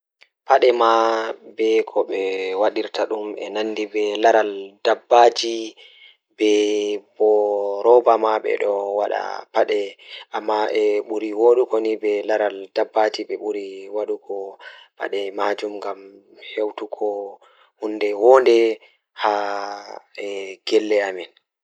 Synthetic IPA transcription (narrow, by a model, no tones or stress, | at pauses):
paɗɛmabɛkʰɔɓɛwaɗiɾtaɗumɛ̰nanːdibɛlaɾaldabːad͡ʒi | bɛbɔɾɔbamaɓɛ̰ɗɔwaɗa̰paɗɛʔamːaʔɛɓuɾiwoɗukɔnibɛlaɾaldabːad͡ʒiɓɛɓuɾiwaɗukʰɔpa̰ɗɛmad͡ʒumŋɡam | hewtukʰɔ | hunːdɛwɔndɛ | ha | ɛɡ̥ɛlːɛamin